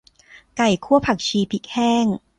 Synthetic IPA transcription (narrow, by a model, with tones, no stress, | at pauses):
ka˨˩jkʰu˥˩ɐpʰa˨˩k̚t͡ɕʰiː˧pʰi˦˥k̚hɛː˥˩ŋ